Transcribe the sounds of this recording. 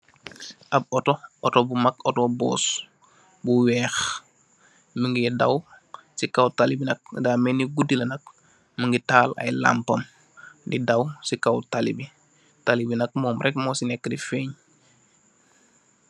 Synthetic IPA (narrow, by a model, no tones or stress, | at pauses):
ʔab̚ɔtootobumakotobɔ̰ːs | buwɛːx | məŋɡidaw | sikawtalibinɐk̚daːmeniɡudilɐnɐk̚ | məŋɡitaːla̰jla̰mpɐm | didawsikawtalibi | talibinɐk̚mɔːmɾɛkmosinɛkːədifeːɲ